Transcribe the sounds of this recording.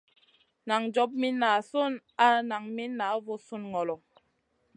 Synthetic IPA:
na˨ŋd͡ʒɔ˦p̚mi˦nːa˨su˦n | a˦na˨ŋmi˦nːa˨˦vo˦su˦nŋɔ˨lɔ˨

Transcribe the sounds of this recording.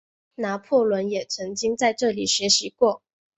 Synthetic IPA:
na˧˥pʰɔ˥˩lwə˧˥njɛ˨˩t͡sʰɤ˧˥ŋt͡ɕi˥ŋt͡sa˥˧ɪʈ͡ʂɤ˥˩li˨˩ɕɥɛ˧˥ɕi˧˥kwɔ˥˩

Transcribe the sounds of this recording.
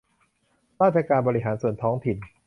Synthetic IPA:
ɾaː˥˩t̪̚t͡ɕʰaː˧kaː˧nbɔː˧ɾi˦˥ɦaː˩˦nsu˨˩ənt̪ʰɔː˦˥ŋt̪ʰi˨˩n

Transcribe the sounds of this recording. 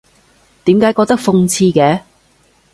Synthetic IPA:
t̪iː˨˥mkaː˨˥jkɔː˧k̚t̪ɐ˥k̚fʊ˧ŋt͡sʰiː˧kɛː˨˥

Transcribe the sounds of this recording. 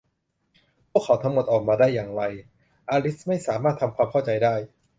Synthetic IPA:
pʰu˥˩əkʰːa˩˦wt̪ʰa˦˧˥ŋmo˨˩t̪̚ʔɔː˨˩k̚maː˧daː˥˩jːaː˨˩ŋɾa˧j | ʔaː˧li˦˥sma˥˩jsaː˩˦maː˥˩t̪ʰːa˧mkʰwaː˧mkʰa˥˩wt͡ɕa˧jdaː˥˩j

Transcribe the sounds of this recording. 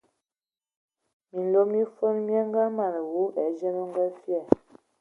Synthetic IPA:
mi˨n̩˨lo˦mi˦fə˦n˦mjɛ˦ŋ˦ɡa˦ma˨nə˨wu˨˦ʔɛ˨˦d͡ʒɛ˦mə˦ŋ˦ɡə˦fjɛ˦˨

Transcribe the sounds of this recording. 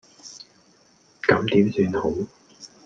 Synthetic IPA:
kɐ˨˧˥mt̪iː˨˥msyː˧nho˨˥w

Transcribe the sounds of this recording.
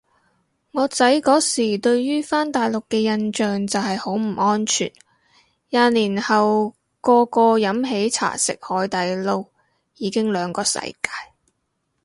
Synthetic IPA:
ŋɔː˨˧t͡sɐ˨˥jkɔː˨˥siː˨˩t̪ɵ˧ɥjyː˥faː˥nt̪aː˨jlʊ˨kːɛː˧jɐ˧nt͡ʃœː˨ŋt͡sɐ˨whɐ˨jho˨˥wm̩˨˩ɔː˥nt͡ʃʰy̰ː˨˩n | jaː˧liː˨˩nhɐ˨w | kɔː˧kɔː˧jɐ˨˥mɦe˨˥jt͡sʰa̰ː˨˩sɪ̰˨k̚hɔː˨˥jt̪aː˨˧jlo˧w | jiː˨˧kɪ˥ŋlœː˨˧ŋkɔː˧sɐ̰˨˧˥jkaː˧j

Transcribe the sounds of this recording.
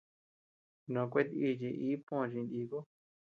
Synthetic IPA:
nõ˨˧k̬ʷe˦t̪i˦˧˨t͡ʃi˧ʔiː˦põ˦˨˧t͡ʃĩ˧nd̪i˧ko˦

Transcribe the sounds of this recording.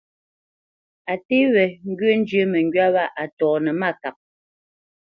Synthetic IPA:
a˨te˦βɛ˨ŋ̩˦ɡɥə˦n̩˦d͡ʒjə˦mɛ˨ŋ˦ɡɥa˦βa˦ʔa˨tɔː˨nɛ˨ma˦˨ka˨k̚

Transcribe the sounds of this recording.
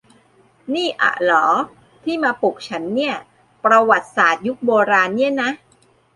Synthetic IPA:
niː˥˩ʔa̰˨˩lɔː˩˦ | t̪ʰiː˥˩maː˧pu˨˩k̚t͡ɕʰa˦˥nːi˥˩ɐ | pɾa˧wa˨˩t̪̚saː˨˩t̪̚ju˦˥k̚boː˧ɾaː˧nːi˦˥˩əna˦˥ʔ

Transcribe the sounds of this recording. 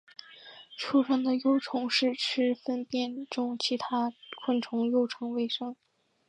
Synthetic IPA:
ʈ͡ʂʰu˥ʂə˥ŋd̪ə˨jo˥˧ʊʈ͡ʂʰʊ˧˥ŋʂɻ̩˥˩ʈ͡ʂʰɻ̩˥fə˥np̪jɛ˥˩nʈ͡ʂʊ˥ŋt͡ɕʰi˧˥t̪ʰa˥kʰwə˥˩nʈ͡ʂʰʊ˧˥ŋjo˥˩ʊʈ͡ʂʰɤ˧˥ŋwe˥ɪʂɤ˥ŋ

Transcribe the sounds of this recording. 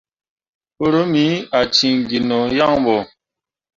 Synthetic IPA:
o˦ɾo˦mi˨˦a˨t͡ʃi˨ŋɡi˨nɔ˨ja˦˨ŋbɔ˨

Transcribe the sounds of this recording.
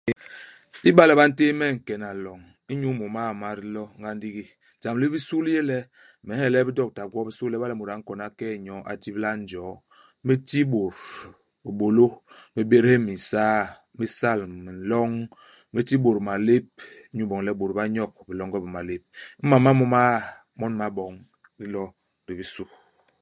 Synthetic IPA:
i˦ba˦lɛ˨ba˦n̩˦te˦mɛ˦˨ŋ̩˨kɛ˨na˨lɔ˨ŋ | i˦ɲu˦mɔ˨ma˦˨ma˨ɾlɔ˦ŋɡa˦n˦di˦ɡi˦ | d͡ʒa˨m˨li˦bi˦su˦lje˦lɛ˦ | mɛ˨˦ɛ˦˨lɛ˦bi˦dɔ˦k̚ta˨ɡwɔ˦bi˦su˦lɛ˦ba˦lɛ˦˨mu˨ɾa˨˦ŋ̩˦kɔ˨na˦kɛ˦˨ɲɔ˨˦ʔa̰˨ti˦bla˦n˦d͡ʒɔ˨˦ | mi˦ti˦bo˨ɾ | bi˨bo˨lo˦mi˦be˦ɾe˦mi˨saː˦ | mi˦sa˦˨lmi˨n˨lɔ˦ŋ | me˦ti˦bo˨ɾma˨le˦p̚ | ɲu˦bɔ˨ŋlɛ˦bo˨ɾba˦ɲɔ˦˨k̚bi˨lɔ˦ŋɡɔ˦bi˨ma˨le˦p̚m̩˦ma˨ma˦mɔ˦ma˦ | mɔ˦nma˨bɔ˨ŋ | ɾi˦lɔ˦ | ɾi˨bi˦su˦

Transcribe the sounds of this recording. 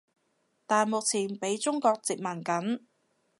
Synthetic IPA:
t̪aː˨nmʊ˨k̚t͡sʰiː˨˩npe˨˥jt͡sʊ˥ŋkɔː˧k̚t͡si˨k̚mɐ˨˩nkɐ˨˥n

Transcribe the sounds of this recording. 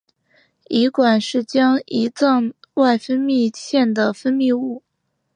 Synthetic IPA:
i˧˥kwa˨˩nʂɻ̩˥˩t͡ɕjɑ˥ŋi˧˥t͡sɤ˥˧ŋwa˥˩ɪfə˥nmi˥˧ɕʰjɛ˥˩nd̪ə˩fə˥nmi˥˧u˥˩

